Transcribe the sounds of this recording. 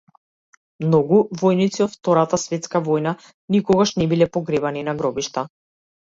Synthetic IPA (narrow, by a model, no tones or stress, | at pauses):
mnɔɡuvɔjnit̪siɔt̪ft̪ɔɾat̪asvɛt̪skavɔjna | nikɔɡaʃnɛbilɛpɔɡɾɛbaninaɡɾɔbiʃt̪a